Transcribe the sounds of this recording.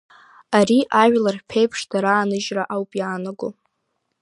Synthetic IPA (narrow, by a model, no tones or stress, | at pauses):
aɾiʔaʒlarpʰejpʰʂdaɾaːnɨʒraʔawpʼjaːnaɡo